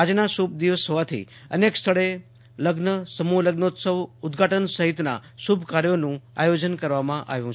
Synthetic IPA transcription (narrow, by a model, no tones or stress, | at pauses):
ad͡ʒnasub̚d̪iʋəsəʋat̪ʰḭ | ə̰nekst̪ʰəɭe | ləɡnəsəmuləɡnəut̪səʋʊd̪ɡʱaʈənsəɦit̪na̰subʱkaɾjonũa̰jod͡ʒənkəɾʋamãʔa̰ʋjũ